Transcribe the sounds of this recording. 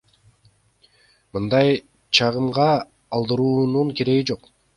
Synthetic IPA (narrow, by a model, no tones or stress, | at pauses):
mɯnd̪ɑj | t͡ʃʰɑʁɯmʁɑː | lˠd̪ɯɾuːnuɴke̞ɾe̞ɡid͡ʒo̞q